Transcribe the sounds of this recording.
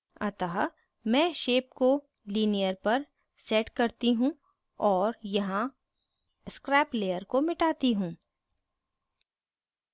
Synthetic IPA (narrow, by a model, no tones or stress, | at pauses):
ɐt̪aɦ | mɛ̃ːʃeːpko | liːnijəɾpɐɾ | seːʈkɐɾt̪iɦũ | ɔːɾjɐɦã | skɾɛːpleːjəɾkomɪʈaːt̪iɦũː